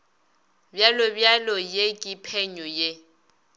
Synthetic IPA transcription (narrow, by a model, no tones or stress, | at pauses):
bjalɔbjalɔjekʼipʰɛɲɔje